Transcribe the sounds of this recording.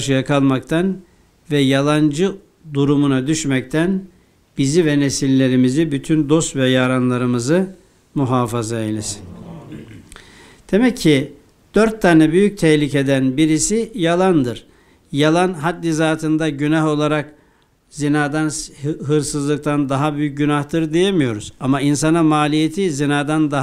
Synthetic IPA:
ʃɯjakʰalˠmakt̪ʰan | vɛjalˠand͡ʒɯ | d̪uɾumunad̪yʃmɛc̚t̪ʰæn | bizivɛnesilʲːe̞ɾimizibyt̪ʰynd̪o̞st̪vɛjaːɾanlˠaɾɯmɯzɯ | muɦaːfazailʲiz̥ | d̪̥e̞mɛcʰːi | d̪̥øɾt̪ʰːanɯbyjyc̚t̪ʰɛçlʲicʰe̞d̪ænbiɾisijalˠand̪ɯɾ̥ | jalˠanɦat̪lʲizaːt̪ʰɯnd̪aɟynaɦo̞lˠaɾak | zinaːd̪anɦɯɾsɯzlˠɯk̚t̪ʰand̪aɦabyjyc̚ɟynaht̪ɯɾd̪eje̞mijo̞ɾuz̥amains̬anɯmaːlʲijet̪ʰizinaːd̪and̪a

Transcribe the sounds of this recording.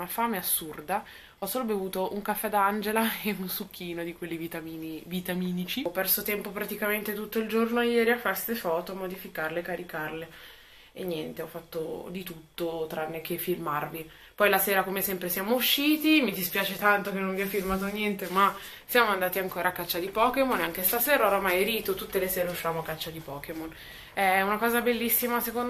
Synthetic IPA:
nafaːmeasːurd̪a | ɔsːoːlobevuːt̪oʔuŋkafːɛd̪aand͡ʒelaeunsukʰːiːnod̪ikwelːivit̪aminivit̪amiːnit͡ʃipɛrsot̪ɛmpopɾat̪ikament̪et̪ut̪ːoild͡ʒornoajɛːɾiafːast̪efɔːt̪oamːod̪ifikarlekːaɾikarle | enːjɛnt̪eɔfːat̪ːo̰d̪it̪ut̪ːot̪ɾanːek̟efilmarvi | pɔjlaseːɾakomesɛmpɾesjaːmouʃːiːt̪imid̪ispjaːt͡ʃet̪ant̪okenːonviɛfilmaːt̪onjɛnt̪ema | sjaːmoand̪aːt̪iaŋkoːɾakːat͡ʃːad̪ipɔkemoneaŋkest̪aseːɾaoɾamajɾiːt̪ot̪ut̪ːeleseːɾeuʃːivaːmoakːat͡ʃːad̪ipɔːkemon | ɛunakɔːzabelːisːimasekon

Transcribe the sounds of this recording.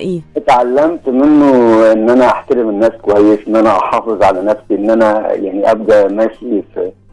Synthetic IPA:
ʔʔɪt̪ʕalːæmt̪mɪnːʊʔɪnːʔænæʔaħt̪æɾɪmɪnːæːskowæjːɪsʔɪnːʔænæʔɑħɑːfɪzˤʕalænæfsiʔɪnːʔænæjaʕniʔæb̚d̪æʔmæːʃiːf

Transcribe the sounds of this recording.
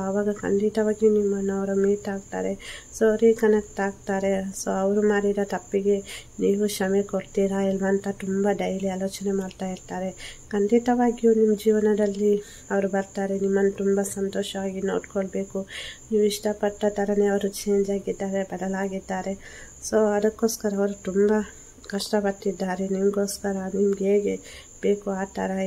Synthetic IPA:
soɐʋaːɡɐkɐ̰ɳɖit̪ɐʋaːɡijunimːɐnːuɐʋɐɾumiːt̪aːɡ̚t̪a̰ːɾe̞soɐʋɾikɐnɐk̚ʈaːɡt̪aːɾe̞soːɐʋɐɾumaːɽiɾɐt̪ɐpːiɡe̞niːʋuʃɐmekoɾt̪iːɾaɛlʋɐːnt̪ɐt̪umbaɖɐjɐɾialoːt͡ʃɐnemaːɖt̪aːjiɾt̪aːɾe̞kɐɳɖit̪ɐʋaːɡjunimːɐd͡ʒiːʋɐnɐd̪ɐlːi | ɐʋɐɾubɐɾt̪aːɾe̞nimːɐnːut̪umbɐsɐnt̪oːʃɐʋaːɡino̞̰ːɖkoɭbe̞ːkuniːʋuiʂʈɐpɐʈːɐt̪ɐɾɐne̞ɐʋɐɾut͡ʃeːɲd͡ʒaːɡid̪ːaːɾe̞bɐd̪ɐlaːɡid̪ːaːɾe̞ | so̞ːɐd̪ɐkːo̞ːskɐɾɐːʋɐɾut̪umbɐ | kɐʂʈɐpɐɽʈ̪ːid̪ːaːɾe̞nimɐɡo̞ːskɐɾɐnimɐɡeːɡe̞ | b̥e̞ːkuaːt̪aːɾa

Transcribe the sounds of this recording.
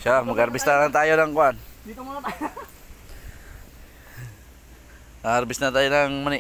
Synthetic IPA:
ʃamakːrbist̪adaŋt̪ajodaŋkuan | arbisnat̪ajodaŋmani

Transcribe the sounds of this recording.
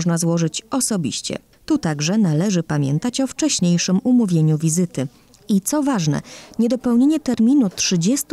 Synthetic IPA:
ʐnazwɔʐɘt͡ɕɔsɔbʲḭɕt͡ɕɛ̰ | t̪ut̪aɡʐɛnalɛʐɘpamʲjɛ̰nt̪at͡ɕɔft͡ʂɛɕɲejʂɘmumuvʲjeɲuvʲizɘt̪ɘ | it̪sɔvaʐnɛ̰ɲɛd̪ɔpɛwɲeɲɛt̪ɛɾmʲinutʂɘd͡ʑɛst̪

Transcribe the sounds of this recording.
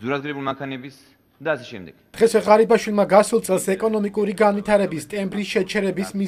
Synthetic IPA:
zuɾad̪ɡɾɛbulimakʰanɛbis | d̪aːsɛʃɛ̰md̪ɛɡ̥d̪̥ʁɛswɛʁaɾibaʃwilˠmaɡasulˠt̪sʼɛlˠsɛkʼɔnɔmikʼuɾiɡanwit̪ʰaɾɛbist̪ʼɛmbɾisʃɛt͡ʃʰɛɾɛbismi

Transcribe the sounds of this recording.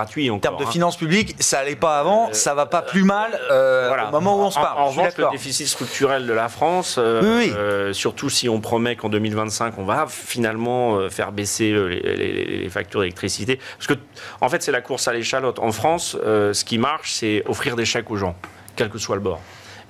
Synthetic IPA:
ɡat̪ɥiɑ̃kt̪ɛmɔʁd̪əfinɑ̃spybliksaːlɛpaːvɑ̃savapaplymaløvwalaomɔmɑ̃uɔ̃spaʁɑ̃ʁəvɑ̃d̪aʃkləɔd̪efisit̪st̪χyk̚t̪ʰyʁɛld̪əlafχɑ̃søwiwisyʁt̪usiɔ̃pχɔmɛkɑ̃d̪ømilvɛ̃t̪sɛ̃kɔ̃va | finalmɑ̃øfɛ̰ʁbeseølḛlḛlḛlḛlḛfa̰k̚t̪yʁd̪elɛk̚t̪χisit̪epasə̥kə | ɑ̃fɛt̪sɛlakuʁsaleʃalɔt̪ɑ̰̃fχɑ̃søsə̥kʲimaʁʃsɛɔfχiʁd̪eʃɛkoʒɑ̃ | kʲɛlkəswaləbɔ̰ʁ

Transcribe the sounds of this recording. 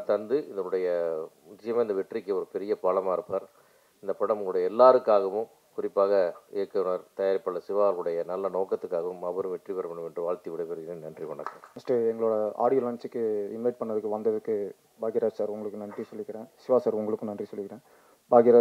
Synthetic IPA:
t̪ɐnd̪ɯɪðɐnɯɽɐjɐmʊt͡ʃːɐjɐmaːɪnd̪ɐʋɛʈrikːɯɔɾɯpɛɾɪjɐpaːlɐmaːɪɾɯpːaːɾ | ɪnd̪ɐpɐɽɐmʊŋɡɐɭɯɽɐjɐɛlːaːɾɯkːaːɣɐʋɯ̃m | kʊɾɪpːaːɣɐeɾkːɐnaːɾt̪ɐjaːɾɪpːɐɭːɐsɪʋaːɐlɯɽɐjɐnɐlːɐnoːkːɐt̪ːɯkːaːɣɐʋɯmɐʋɐɾɯ̃ʋɛʈriʋɐɾɐmɐɳɯmɛndrɯʋaːɭt̪iʋɪɽɐɪpɛɾɯɣɪnenɐndriʋɐɳɐkːɐnɐsʈɾeɛŋɡɐɭoːɽɐa̰ːɽɪjɐlaːnt͡ʃɯkːɯɪmeːʈ̚pɐɳːɐðɯkːɯʋɐnd̪ɐðɯkːɯ | baːɡɪɾaːd͡ʒsaːɾʊŋɡɐɭɯkːɯnɐndrisɔlːɪkːɪɾẽːsɪʋaːsaːɾʊŋɡɐɭɯkːɯ̃nɐndrisɔlːɯkɪɾẽː | baːɣɪɾaː

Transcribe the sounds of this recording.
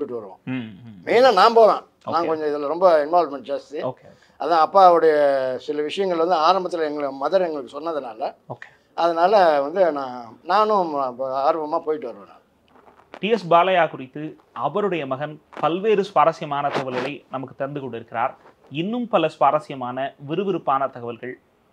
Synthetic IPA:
uʈːɯʈːɯʋɐɾɯʋõ̰ʋeːnãːnaːmpoːʋḛ̃ː | oːnãːkɔɲd͡ʒɔ̃ɪðɐlɐɾɔmbɐɪnʋaːlmɛɳʈ̚d͡ʒaːst̪ioːkeo | ɐðãːɐpːaːɐʋɽɐjɐsɪlɐʋɪʂɐjɐŋɡɐɭʋɐnd̪ɯaːɾɐmbɐt̪ːɪlɛŋɡɐɭɐmɐðɐɾɛŋɡɐɭɯkːɯsɔnːɐðɐnaːlɐoːke̥ | ɐðɐnaːlɐʋɐnd̪ɯnãːnaːnʊ̃aːɾpɐmːaːpoːjɪʈːɯʋɐɾɯʋɐnã̰ː | ʈiɛsbaːlɐjaːkʊrɪt̪ːɯ | ɐʋɐɾɯɽɐjɐmɐɣɐnpɐlʋeːɾɯsʋaːɾɐsɪjɐmaːnɐt̪ɐɣɐʋɐlɣɐɭɐɪnɐmɐkːɯ̥t̪ːɛɾɐnd̪ɯkɔɳɖɪɾɯkːɪra̰ːɾ | ɪnːɯmpɐlɐsʋaːɾɐsɪjɐmaːnɐʋɪɾɯʋɪɾɯpːaːnɐt̪ɐɣɐʋɐlɣɐɭ

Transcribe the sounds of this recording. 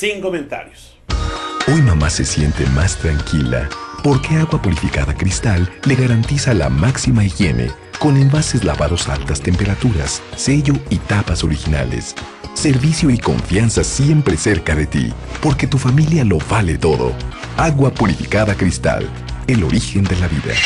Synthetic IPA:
siŋkoment̪a̰ɾjos | o̞jmamase̞̰sje̞nt̪e̞̰mast̪ɾaŋkʰila̰po̞ɾke̞aɣwapuɾifikaðakɾist̪alːeɣaɾant̪isala̰maksimaixje̞̰ne̞̰ | ko̞ne̞mbase̞zla̰βaðo̞sa̰lt̪ast̪e̞mpe̞ɾat̪uɾa̰sːe̞ʝo̞it̪apaso̞ɾixina̰lḛsː | e̞ɾβisjo̞iko̞̰ɱfjansasje̞mpɾe̞se̞ɾkaðe̞t̪ḭpo̞ɾke̞t̪ufamiljalo̞βale̞t̪o̞ðo̞̰ | aɣwapuɾifikaðakɾist̪a̰l | elo̞̰ɾixe̞nd̪e̞laβiða̰

